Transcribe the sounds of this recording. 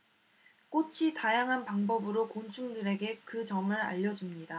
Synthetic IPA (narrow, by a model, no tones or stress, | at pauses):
k͈ot͡ɕʰitajaŋɦanpaŋbʌbɯɾokont͡ɕʰuŋdɯɾe̞ɡe̞kɯt͡ɕʌŋɯɾa̰ʎːʌd͡ʑumɲida